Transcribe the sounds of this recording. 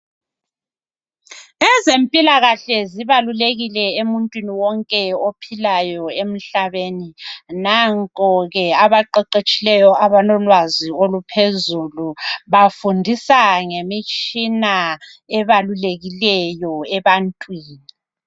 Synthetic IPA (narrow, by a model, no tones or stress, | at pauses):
ɛzempʼilaɣaɬɛziβaluleɣilɛemuntʼwiniwɔŋkʼɛopʰilajɔem̩ɬaβeninaŋkʼɔɣɛaβaǃɛǃet͡ʃʼilɛjɔʔaβanɔlwaziolupʰezuluβafundʱisaŋemit͡ʃʼina | ɛβaluleɣilɛjɔɛβantʼwiːni